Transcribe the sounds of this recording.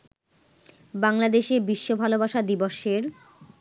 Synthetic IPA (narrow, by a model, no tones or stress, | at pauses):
baŋlad̪eʃebiʃːobʱalobaʃad̪iboʃeɾ